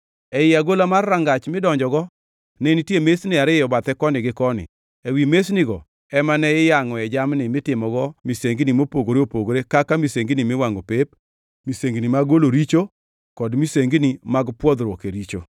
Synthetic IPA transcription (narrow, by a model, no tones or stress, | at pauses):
ɛɪaɡolamarːaŋɡat͡ʃmɪdɔɲd͡ʒɔɡɔ | nɛnitjemesnɪaɾɪjɔbat̪ɛkɔnɪɡɪkɔnɪ̰ | ewimesnɪɡɔ | ɛmanɛɪjaŋɔɛd͡ʒamnɪmɪtɪmɔɡɔmiseŋɡnimopoɡoɾeopoɡoɾekakamiseŋɡnimɪwaŋopep | miseŋɡnimaɡoloɾit͡ʃo | kɔdmiseŋɡnimaɡpwɔd̪ɾokeɾit͡ʃo̰